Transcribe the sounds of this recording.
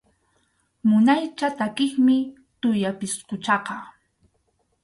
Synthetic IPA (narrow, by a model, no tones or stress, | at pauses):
mʊnajt͡ʃat̪akɪχmɪ | t̪ʊjapɪsqʊt͡ʃɑqɑ